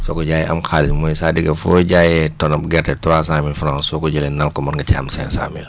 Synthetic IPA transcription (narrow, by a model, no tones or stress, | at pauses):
sɔkɔɟaːjɛʔɐmxalmɔjsaːdiɡɐfɔɟaːjɛtɔnɐp̚ɡɛtɛtuɾaːs̬aːmilfɾansɔkɔɟəlɛnɐlkɔmɐnɡɐca̰ːmsɛ̰nsa̰ːmil